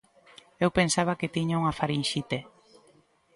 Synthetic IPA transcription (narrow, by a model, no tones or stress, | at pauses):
ewpensaβ̞ɐket̪iɲauŋafaɾinʃit̪e